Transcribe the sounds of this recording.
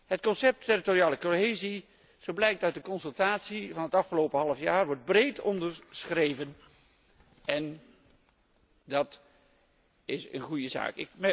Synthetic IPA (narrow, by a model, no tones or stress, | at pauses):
ɦətkɔnsɛp̚tːɪritoriaːləkoɦejzi | z̥owblɛjk̚tɑt̚dəkɔnsɵlˠtaːtsivɑnɦətɑfχəlowpəɦɑlˠəfjaːɹʋɔɹd̚brejtɔndəɹsχrejvən | ɛn | dɑt | ɪsə̰nχujəza̰ːkɪkmɛ